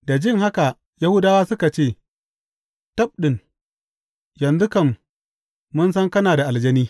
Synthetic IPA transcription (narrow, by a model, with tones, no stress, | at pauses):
da˨d͡ʒɪ˦ŋha˦ka˨ | ja˦hʊ˦daː˦waː˦sʊ˦ka˨t͡ʃeː˦˨ | tɐ˦p̚ɗɪ˨n | jɐ˨nzʊ˦kɐ˨mː | ʊ˦ns̬ɐ˦ŋkɐ˦naː˨da˨ʔa˨ld͡ʒɐ˦niː˦